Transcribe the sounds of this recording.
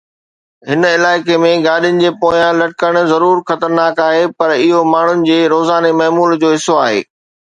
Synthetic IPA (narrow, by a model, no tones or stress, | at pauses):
ɦɪnɪlaːɪkemẽɡaːɗijʊnɪ̆d͡ʑeːpoːjãlɐʈɪkəɽ̃̆zɐɾuːɾxɐt̪əɾnaːkaːɦepɐɾɪɦomaːɳ̤ʊnɪ̆d͡ʑeːɾoːzaːnemɐːmuːld͡ʑoːɦɪsoaːɦḛː